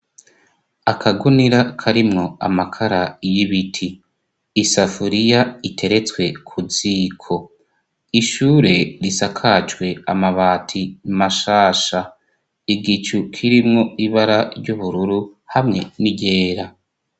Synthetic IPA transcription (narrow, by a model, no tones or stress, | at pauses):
akʰaɡuniɾakʰaɾimŋo̞a̰makʰaɾajiβitʰiː | safuɾijaitʰe̞ɾe̞t͡skwe̞kʰuziːkʰo̞ | iʃuːɾe̞ɾisakʰat͡ʃwe̞amaβaːtʰimaʃaːʃa | iɡit͡ʃukʰiɾimŋo̞iβaɾaɾɟuβuɾuɾuhamŋe̞niɟe̞ːɾa